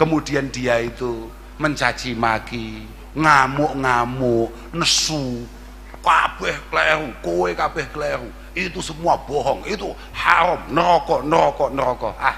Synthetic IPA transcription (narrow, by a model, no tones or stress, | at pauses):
kəmud̪̥iand̪̥iait̪u | məɲt͡ʃḁt͡ʃimaki | ŋamʊʔŋamʊʔ | nəsu | kab̥ɛhklɛɾukowekab̥ɛhkəlɛɾu | it̪usəmuab̥ɔɦɔŋit̪u | haɾɔmnəɾɔkɔnəɾɔkɔnəɾɔkɔʔah